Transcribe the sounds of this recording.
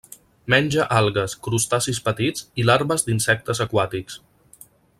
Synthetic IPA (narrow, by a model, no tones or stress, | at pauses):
mɛnʲʒəʔalˠɣəskɾust̪asispət̪izilaɾβəzd̪insɛk̚t̪əzəkwat̪iks